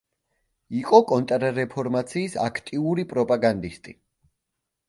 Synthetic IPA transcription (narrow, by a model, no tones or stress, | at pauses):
iqʼɔkʼɔnt̪ʼɾɾɛpʰɔɾmat̪sʰiːsa̰kʰt̪ʼiuɾipʼɾɔpʼaɡand̪ist̪ʼi